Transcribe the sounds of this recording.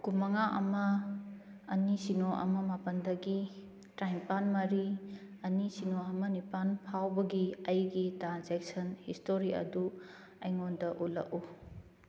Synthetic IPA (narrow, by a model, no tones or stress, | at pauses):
kumɐŋaʔɐmɐː | nisinoʔɐ̰mɐmapɐndɐɡi | tɾajmpanmɐɾi | ɐnisinoɐmɐnipanpʰawbɐɡiɐjɡitanzek̚sɐnhistoɾiɐ̰du | ɐjŋondɐʔulɐ̰ku